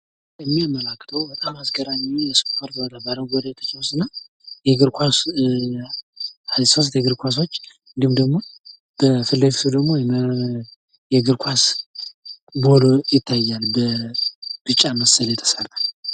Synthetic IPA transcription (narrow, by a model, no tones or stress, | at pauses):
ɛmːiamːəlakːə̥t̪ʰəwbət̪ʼamasɡəɾaɲːijɛsɨ̥kpʰaɾt̪iwɔd̪abaləmɡod̪ajɛt̪ʰə̥t͡ʃawsɨnːa | jɛɡɨɾkʰʷas | asəws̬t̪ʰjɛɡɨɾkʷʰas̬o̞t͡ʃː | ɨnd̪ihmd̪əɡmo̞ | b̥əfɨlːeɡsʰud̪əɡmo̞jɛ | jɛɡɨɾkʷʰas | bolojɪt̪ʰːajːalbə | b̥ɨt͡ʃʼːaməsəljɛt̪ʰə̥sərt̪ʼal